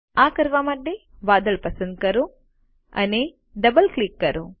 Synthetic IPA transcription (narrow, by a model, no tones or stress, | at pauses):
aːkɐɾʋaːmɐɖːe | ʋaːd̪ɐɭpɐsɐnd̪̚kɐɾu | ɐ̰ne | ɖɐbɐlklikːɐɾu